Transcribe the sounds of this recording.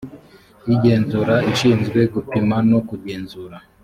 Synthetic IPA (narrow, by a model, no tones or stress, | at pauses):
iɟe̞ːnzuɾaiʃiːnzɡwe̞ɡupimanokuɟe̞ːnzuɾa